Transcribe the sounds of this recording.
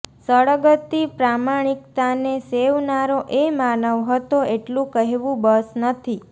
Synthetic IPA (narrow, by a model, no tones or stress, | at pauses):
səɭəɡət̪ːipɾamaɽ̃ikt̪aneseʋnaɾoʔemanəʋɦət̪oeʈlũkəɦeʋũbəsnət̪ʰi